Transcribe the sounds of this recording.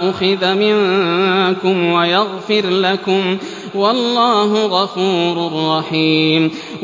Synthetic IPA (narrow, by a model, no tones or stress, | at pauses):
ʔʊxɪðamɪŋ | kʊmwajaɣfɪɾlakʊm | wɑlːɑːɦʊɣɑfuːɾarˤːɑħiːm